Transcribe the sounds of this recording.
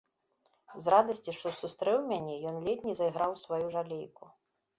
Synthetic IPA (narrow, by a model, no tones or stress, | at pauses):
zɾad̪ɐsʲt͡sʲiʂt̪ɔsust̪ɾɛwmʲanʲɛjɔnlʲɛt̪ʲnʲizɐjɣɾawsvajuʐalʲejku